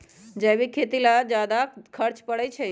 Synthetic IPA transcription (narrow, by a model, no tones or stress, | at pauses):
d͡ʒəjʋikʰet̪ilad͡ʒad̪akʰəɾt͡ʃpəɽejt͡ʃʰe